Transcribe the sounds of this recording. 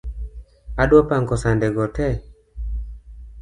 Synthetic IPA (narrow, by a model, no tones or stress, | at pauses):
adwɔpaŋkɔsandɛɡɔtɛ